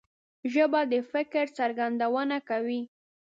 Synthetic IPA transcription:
ʒəbad̪əfɪkɾt͡saɾɡand̪awənakawi

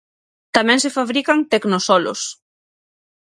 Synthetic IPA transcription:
t̪amɛ̃ŋsefaβɾikaŋt̪eknosɔlo̰s

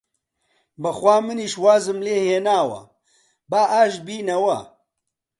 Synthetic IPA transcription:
bɨxwʷaːmɨniːʃwaːzɨmleːheːnaːwɐ̰ | baːʔaːʃbiːnɐwɐ̰

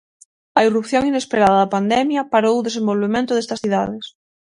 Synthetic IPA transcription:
ɐirupθjoŋinespeɾaðɐðɐpand̪ɛmjɐpaɾowðesembolβemẽnt̪ʊðest̪ɐsθiðaðɪs

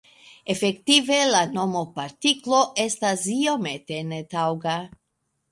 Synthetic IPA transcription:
efekt̪ive̞lano̞mopaɾtiklo̞ʔe̞stasio̞met̪e̞net̪awɡa

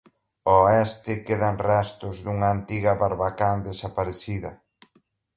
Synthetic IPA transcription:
oɛst̪ɪkeðanrast̪ʊzðuŋɐːnt̪iɣɐβaɾβakand̪esapaɾeθiðɐ

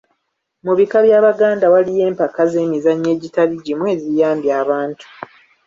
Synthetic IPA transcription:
muβikaβjaːβaɡaːndawalije̞ːmpakaze̞ːmizaɲːe̞ːɟitaliɟimwe̞ːzijaːmbjaːβaːntu̥

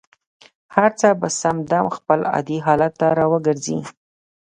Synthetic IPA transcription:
haɾt͡səbasamd̪amxpəlɑ̰d̪iɦɑlat̪ːaɾɑwəɡəɾzḭ

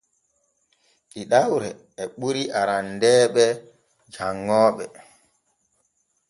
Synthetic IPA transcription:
ɗiɗawɾɛ | ɛɓuɾiʔaɾandɛːɓɛ | d͡ʒaŋːɔːɓɛ

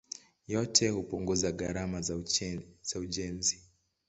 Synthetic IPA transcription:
jɔtʰɛhupuŋɡuzaɠaɾama | z̥auʄɛnzi

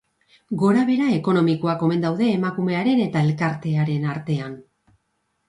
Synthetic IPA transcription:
ɡo̞ɾaβ̞e̞ɾae̞ko̞no̞miko̞ako̞me̞nd̪awðe̞ːmakume̞aɾe̞ne̞t̪ae̞lkaɾt̪e̞aɾe̞naɾt̪e̞an

